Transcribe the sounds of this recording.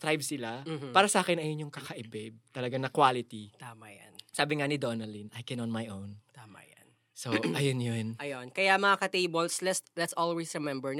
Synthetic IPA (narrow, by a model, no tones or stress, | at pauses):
t̪ɾajbsɪlampaːɾɐsɐʔaːkɛnʔɐjonjʊŋkɐkɐʔɛbɛb̚t̪ɐlɐɡaŋɐkwaːlɪt̪it̪aːmaja̰nsaːbɪŋanɪd̪onɐlinʔɐjkɛnɔnmajʔownt̪aːma̰ja̰n | soʔɐjonjonʔɐjonkɐjamɐŋakɐt̪ejbolslɛtslɛt̪sʔɔlwesɹɪmɛmbɛɹn